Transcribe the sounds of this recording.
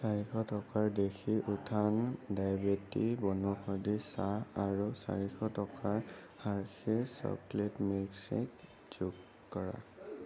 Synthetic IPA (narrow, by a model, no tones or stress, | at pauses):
saɹixɔtɔkaɹdexiʔutʰandajbetibɔnɔxɔdisaaɹusa̰ɹixɔtɔkaɹ | haɹkʰiɹsɔ̰kletmiɹksḛk | z̥uɡ | kɔɹa̰